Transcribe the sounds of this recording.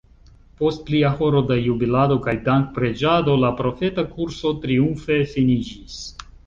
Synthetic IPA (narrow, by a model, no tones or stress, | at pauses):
po̞st̚pliaho̞ɾo̞dajubilado̞kajdaŋk̚pɾe̞d͡ʒado̞lapɾo̞fe̞takuɾso̞tɾiuɱfe̞finid͡ʒis